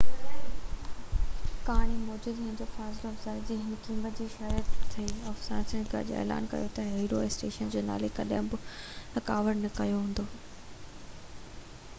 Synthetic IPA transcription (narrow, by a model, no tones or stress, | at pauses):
kaːɽ̃imɔːd͡ʑuːd̪ɪ̃ɪ̃d͡ʑoːfaːsloɐfzaːɪd͡ʑiːɦɪnkĩːmət̪̚d͡ʑiːʃɐɾət̪t̪ʰːɐiɔːfsãːnsənɡɐ̰ʄo̰ḛːla̰ːnkɐ̰jot̪ɐɦiːɾoesʈeːʃənd͡ʑoːna̰ːlekɐɗə̃mbʊɐkaːʋəɾnɐkɐjoɦũːnd̪oː